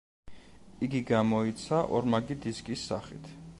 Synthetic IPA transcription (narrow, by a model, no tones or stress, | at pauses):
iɡiɡamɔit̪sʰaʔɔɾmaɡid̪iskʼisːa̰χḭt̪ʰ